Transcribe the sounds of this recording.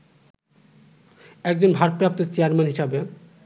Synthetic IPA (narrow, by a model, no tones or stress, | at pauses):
ɛk̚d͡ʑonbʱaɾpɾap̚t̪ot͡ɕiaɾmenɦiʃabe